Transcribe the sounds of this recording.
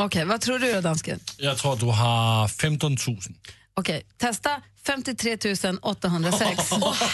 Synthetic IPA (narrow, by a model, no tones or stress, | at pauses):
ɔkʰɛjvat̪ʰɾuːɖɵjad̪anskə̰njɑːɡ̚t̪ʰɾuːɾat̪̚d̪ɵɦafɛmt̪ɔnt̪ʰʉːsən | ɔkʰɛjt̪ʰɛst̪afɛmt̪ɪt̪ʰɾeːt̪ʰʉ̟ːsənɔt̪ːaɦɵnd̪ɾasɛks